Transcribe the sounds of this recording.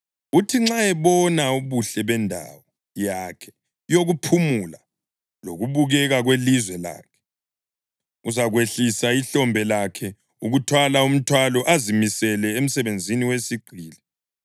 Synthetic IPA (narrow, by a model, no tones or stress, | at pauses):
utʰiŋ͡ǁaɛβɔnauβuɬɛβɛndʱa̰wɔ | jaːkʰɛ̥ | joɣupʰumula | lo̰ɣuβuɣɛɣaɣwelizwɛla̰ːkʰɛ̥ | uzaɣweɬisaiɬɔmbʱɛlakʰɛ | uɣutʰwalaum̩tʰwalɔʔazimisɛlɛem̩sɛβend͡zʱiniwesiɡ͡ǀʱiːlɛ